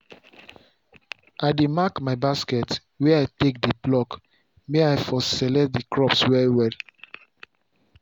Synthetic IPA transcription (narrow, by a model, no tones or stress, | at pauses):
aɪdemakmaɪbaskɛt | wɛaɪtek̚deblɔk | meaɪfɔsɛlɛdikɹɔpswɛɹwɛl